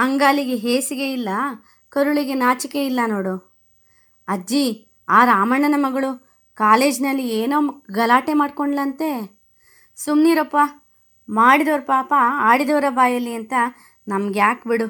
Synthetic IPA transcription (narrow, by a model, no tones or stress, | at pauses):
ɐŋɡaːliɡeɦeːsiɡe̞ilːɐ | kɐɾuɭiɡenaːt͡ʃikeilːɐnoːɽu | ɐd͡ʒi | aːɾaːmɐɳɐnɐmɐɡɐɭu | kaːle̞ːd͡ʒnɐlːieːnoːɡɐlaːʈemaːɖkoɳɖlɐnt̪e̞ | sumniːɾopːɐ | maːɽid̪oːɾpaːpɐaːɽid̪ɐːɾɐbaːjɐlːiɐnt̪ɐ | nɐmɐɡejaːkbiɽu